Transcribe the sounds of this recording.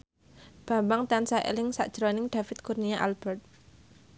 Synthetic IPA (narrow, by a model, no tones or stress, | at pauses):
b̥a̤mbaŋt̪ansaʔḛlɪŋsa̰ʔd̥ʒ̥əɾonɪŋɖ̪̥a̤fɪt̪̚kurnijaʔalb̥ɛrt̪̚